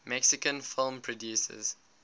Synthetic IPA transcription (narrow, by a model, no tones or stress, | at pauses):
mɛksɪkə̃nfɪlˠmpʰɹɔdjuːsə̰z̥